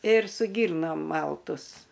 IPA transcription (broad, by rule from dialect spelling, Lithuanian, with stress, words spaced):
ɪr sʊ ˈɡʲiːrnoːm ˈmɐlˠtʊs